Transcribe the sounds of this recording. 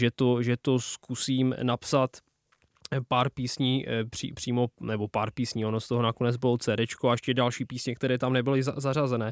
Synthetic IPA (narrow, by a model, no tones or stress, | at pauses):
ʒɛt̪oʒɛt̪oskusiːmnapsat̪ | paːɾpiːsɲipr̥ḭːpr̥iːmo̞nɛbo̞paːɾpiːsɲiːo̞nost̪oɦonako̞nɛd͡zbɪowt͡sɛːɾɛt͡ʃkoaɛʃcɛdalʃiːpiːsɲɛk̚t̪ɛɾɛːt̪amnɛbɪlɪza̰zarazɛnɛː